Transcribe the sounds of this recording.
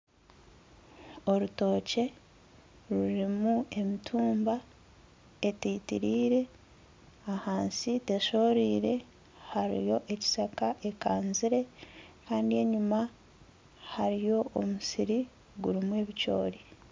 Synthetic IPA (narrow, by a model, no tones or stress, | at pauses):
o̞ɾuto̞ːce̞ | ɾuɾimue̞mitʰuːmba | e̞tiːtḭɾiːɾe̞ | ahaːnsite̞ʃo̞ːɾiːɾe̞ | haɾḭjo̞ʔe̞ci̥sakaʔe̞kaːnziɾe̞kaːndie̞ɲuma | haɾijo̞omusiɾi | ɡuɾimwe̞ːβico̞̰ːɾi